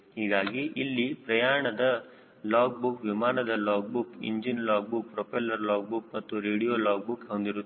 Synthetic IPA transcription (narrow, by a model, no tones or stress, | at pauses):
hiːɡaːɡiʔilːipɾɐjaːɾɐɳɐd̪ɐ | laːk̚bukʋimaːnɐd̪ɐlaːk̚bukḭɲd͡ʒinlaːk̚buk̚pɾopʰɐlɐɾlaːk̚buk̚mɐt̪ːuɾeːɽijoːlaːk̚bukond̪iɾu